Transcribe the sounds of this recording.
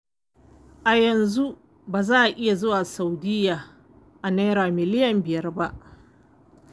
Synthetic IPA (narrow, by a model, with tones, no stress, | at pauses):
ʔa˨jɐ˨nzu˦ | baː˨zaː˦˨ʔa˨ʔɪ˦ja˨zʊ˦waː˨sa˨wdɪ˦jaː˨ | ʔa˨neː˦ɾaː˨mɪ˨lɪ˦jɐ˨mbɪ˨jɐ˦rba˦ʔ